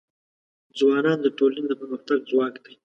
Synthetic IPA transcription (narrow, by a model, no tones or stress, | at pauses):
d͡zwɑnɑnd̪əʈolaned̪əpəɾməxt̪aɡ̚zwɑːkd̪aj